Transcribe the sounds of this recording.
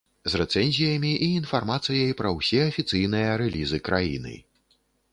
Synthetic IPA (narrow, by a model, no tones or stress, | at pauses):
zrɛt̪sɛnʲzʲijɐmʲiʔiːnfarmat̪sɨjɐjpɾɐwsʲɛɐfʲit̪sɨjnɨjɐɾɛlʲizɨkɾajḭnɨ̰